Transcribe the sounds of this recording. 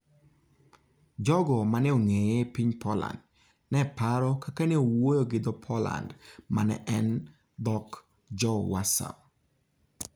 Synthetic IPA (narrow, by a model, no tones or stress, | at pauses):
d͡ʒɔɡɔmaneoŋejɛpiɲpʰɔla̰nd | nɛpaɾɔkakaneowojoɡɪd̪ɔpʰɔla̰ndmanɛ̰ʔɛn | d̪ɔk | d͡ʒɔwasa̰l